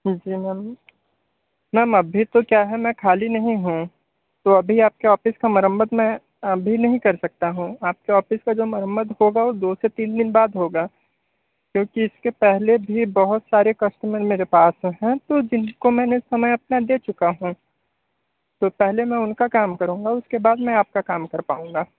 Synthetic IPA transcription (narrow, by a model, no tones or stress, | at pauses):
d͡ʒiːmɛ̃ːm | mɛːmɐbʱit̪okjaːɦɛmɛ̃kʰaːlinɐɦĩɦũ | t̪oɐbʱiaːp̚keɔːfɪskamɐɾə̃mbəd̪mɛ̃ | ɐbʱinɐɦĩkɐɾsɐk̚t̪aɦũaːp̚keɔːfɪskad͡ʒoːmɐɾə̃mbəd̪hoːɡaod̪oːset̪iːnd̪ɪnbaːd̪ɦoːɡaː | kjõːkiɪskepɛɦlebʱibɐɦʊt̪saːɾekɐsʈmə̃meːɾepaːsɦɛ̃t̪od͡ʒɪnkomɛ̃ːneɪsɐməjɐp̚nad̪eːt͡ʃʊkaɦũː | t̪oːpɛɦlemɛ̃ʊnkakaːmkɐɾũːŋɡaʊskebaːd̪mɛ̃aːp̚kakaːmkɐɾpa̰ːũːŋɡaː